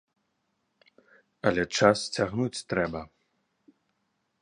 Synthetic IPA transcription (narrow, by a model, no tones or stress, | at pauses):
ɐlʲɛt͡ʂast͡sʲaɣnut͡sʲt̪ɾɛbɐ